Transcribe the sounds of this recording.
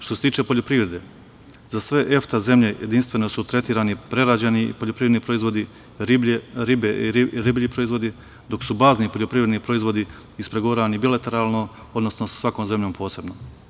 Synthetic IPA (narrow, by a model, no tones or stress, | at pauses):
ʃt̪oset̪iːt͡ʃe̞po̞ʎopɾiːʋɾe̞d̪e̞ | zasʋe̞ʔe̞ft̪aze̞mʎe̞jʔḛd̪inst̪ʋe̞no̞sut̪ɾe̞t̪iːɾanipɾe̞ɾad͡ʑeniḭpo̞ʎopɾiʋɾed̪nipɾo̞izʋo̞d̪i | ɾibeiɾɾibʎipɾo̞izʋo̞d̪i | d̪o̞ksubaːznipo̞ʎo̞pɾiːʋɾed̪nipɾo̞izʋo̞d̪i | ispɾe̞ɡoɾaanibilat̪e̞ɾaːlno̞ | o̞d̪no̞snosḁsʋakoːmze̞mʎo̞ːmpʰo̞ːse̞bno